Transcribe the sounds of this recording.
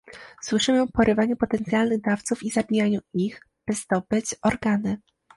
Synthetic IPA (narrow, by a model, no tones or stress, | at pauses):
swɘʂɘmɘpɔɾʔɘvaɲupɔt̪ɛnt̪sʲjalnɘɣd̪aft̪sufizabʲijaɲuix | b̥ɘzd̪ɔbɘt͡ɕɔɾɡanɘ